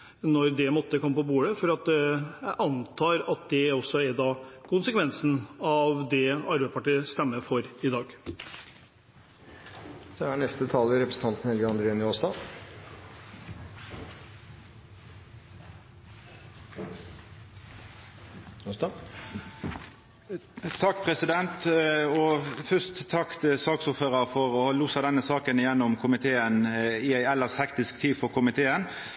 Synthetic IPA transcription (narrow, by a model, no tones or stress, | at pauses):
nɔɾd̪ɛmɔt̪ːəkʰɔmːəpɔbuːɽəfɔɾɑt̪jæɪʔɑnt̪ʰɑːɾɑt̪̚d̪ɛɔsːɔæɾd̪ɑːkʊnsəkʰʋɛnsn̩ɑʋd̪ɛɑɾbeɪspɑʈiːəst̪ɛmːəfɔɾɪd̪ɑːɡ | d̪ɛhæɳɛst̪ət̪ʰɑːlɪɾɛpɾəsn̩ɑnt̪n̩hɛlɡəɑnd̪ɾeːnɪoːsd̪ɑ | sd̪ɑ | t̪ʰɑkːpʰʁɛsɪd̪ɛnt̪ɔfʏst̪ʰːɑkt̪sɑːksʊːɾføːʁəʁfɔʁɔluːsɑd̪ɛnːəsɑːkənɪjɛnːɔmkʰʊmɪt̪ʰeːənɪæɪɛlːəʁshɛkt̪ɪsk̚t̪ʰiːd̪fɔʁkʰʊmɪt̪ʰeːən